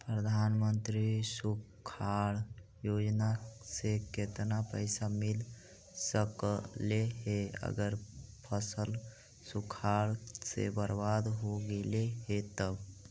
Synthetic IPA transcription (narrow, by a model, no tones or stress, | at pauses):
pɾəd̪ʱanmənt̪ɾisu | kʰaɽ | jod͡ʒnaseket̪napəɪsamil | səkleɦeə̰ɡəɾpʰəsəl | sukʰaɽsḛbəɾbad̪ɦoɡeleɦet̪əb